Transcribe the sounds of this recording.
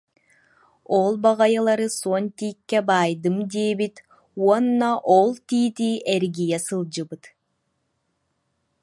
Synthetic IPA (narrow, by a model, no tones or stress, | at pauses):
ɔlˠbaʁɑjɯlˠɑɾɯsuɔnt̪iːkːɛbajd̪ɯmd̪iɛbit̪ | uɔnːaʔolˠt̪iːt̪iʔɛɾɡijɛsɯlˠd͡ʑɯbɯt̪